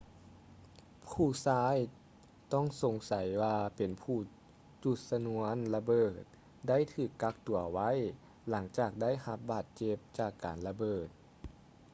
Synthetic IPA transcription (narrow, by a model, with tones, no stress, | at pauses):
pʰuː˧˩saː˧˥˩j | t̪ɔ˥˩˨ŋso˨˦ŋsa˨˩˦jwaː˧pe˨npʰuː˧˩ | t͡ɕu˧˩t̪̚sa˧nu˧˦ənla˧bɤː˨˩t̪̚ | da˥˩˨jt̪ʰɯː˧˩kːa˧˥k̚t̪u˨˩ɐwa˧˥˨j | la˩˦ŋt͡ɕaː˧˨˩k̚da˥˨jha˧p̚baː˨˩t̪̚t͡ɕe˧p̚t͡ɕaː˧˩kːaː˨˩nla˧bɤː˧˩t̪̚